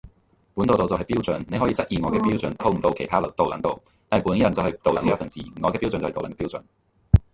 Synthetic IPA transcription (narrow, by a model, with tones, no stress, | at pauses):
puː˨˥nt̪o˨˧t̪o˨wt͡sɐ˨wɦɐ˨jpiː˥wt͡sɵ˨nnːe˨˧jɦɔː˨˥jiː˨˧t͡sɐ˥t̚ʔiː˨˩ŋɔː˨˧kɛː˧piː˥wt͡sɵ˨nt̪ʰo˥˧wm̩˨˩t̪o˧wkʰe˨˩jt̪ʰaː˥˨t̪o˨wlɐ̰˨˩ŋt̪o˨w | t̪aː˨pu˨˥ni˥jɐ˨˩nt͡sɐ˨wɦɐ˨jt̪o˨wlɐ˨˥ŋiː˨˥˩fɐ˨nst͡sḭ˨ŋɔː˨˧kɛ˧pi˥wt͡sə˨nt͡s̪ːo˨wlɐ˨˩nkɛː˧˥i˥wt͡sɵ̰˨n